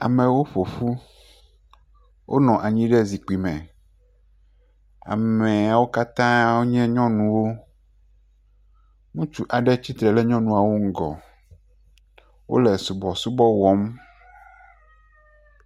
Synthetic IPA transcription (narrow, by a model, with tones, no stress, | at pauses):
a̰˨mẽ˨wo˦ɸo˨ɸu˦ | wʔo̰˦nɔ̃˨ʔa˨ɲĩ˦ɖɛ˦zi˨k͡pi˨mɛ̃˨ | a̰˨me˨a˨wo˦ka˦t̪ã˦wo˦ɲɛ̃˦ɲɔ̃˦nũ˨wo˦ | mũ˦t͡ʃu˦ʔa˨ɖɛ˦t͡ɕi˦t̪ɾɛ˨lɛ˦ɲɔ̃˦nũ˨a˨wo˦ŋ̩˦ɡɔ̰˨ | wo̰˦lɛ˨su˨bɔ˨su˦bɔ˦wɔ˦m